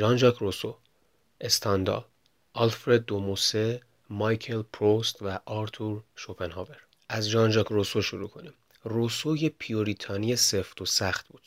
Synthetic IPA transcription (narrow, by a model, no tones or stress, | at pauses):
ʒɒːnd͡ʒɒkʰroso | e̞st̪ʰɒnd̪ɒ̰ | ʔɒlfɾe̞d̪̚ːomose | mɒjkʰelpʰɾost̪væʔɒɾt̪ʰuɾʃopʰenhɒːve̞ɾ | ʔæzd͡ʒɒːnd͡ʒɒkʰrosoʃoɾuːkʰo̞nim | rosojepʰijoɾit̪ʰɒːnijeseft̪ʰosæxt̪̚buːd̪̥